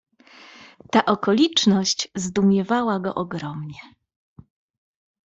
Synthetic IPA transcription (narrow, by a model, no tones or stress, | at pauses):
t̪aʔɔkɔlʲit͡ʂnɔɕt͡ɕzd̪umʲjɛvawaɡɔ̰ʔɔɡɾɔmɲɛ